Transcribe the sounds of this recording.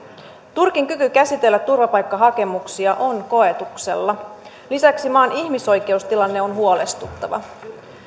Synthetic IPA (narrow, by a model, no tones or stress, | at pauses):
t̪urkiŋkykykæsit̪e̞lːæt̪ːurʋɑpɑjkːɑɦɑke̞muksiɑʔo̞nko̞e̞t̪ukse̞̰lːɑ | lisæksimɑːniçmiso̞jk̟e̞ust̪ilɑnːe̞o̞nɦuo̞le̞st̪ut̪ːɑʋɑ̰